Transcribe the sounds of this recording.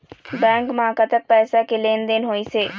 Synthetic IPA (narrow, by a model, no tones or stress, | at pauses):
bɛ̃ːŋkmãːkat̪ək̚pɛːsakeleːnd̪enɦoːiseː